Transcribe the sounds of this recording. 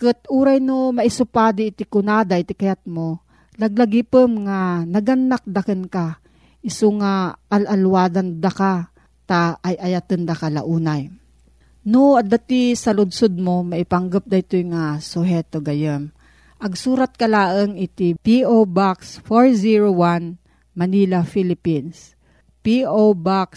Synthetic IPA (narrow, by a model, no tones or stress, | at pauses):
kɨt̪̚uːɾajnomɐʔɪsʊpaːd̪ɪɪt̪ɪkʊnad̪aʔɪt̪ɪkɐjat̪̚mo | lɐɡ̚lɐɡipɨmŋanɐɡɐnːak̚d̪ɐkənka | ʔɪsʊŋaʔːlʔɐlwaːd̪and̪aka | t̪aʔːjʔɐjat̪ɨnd̪ɐkala̰ʔuːnaj | noɐd̪at̪isɐlʊd̪sod̪̚momɐʔɪpaŋɡəp̚d̪ɐjt̪ojŋasʊɦɛt̪oɡɐjɛm | ʔɐɡsuːɾat̪̚kɐlaːʔəŋɪt̪ipiʔobaksfoɹziɹowan | mɐnilafilɪpins | piobaks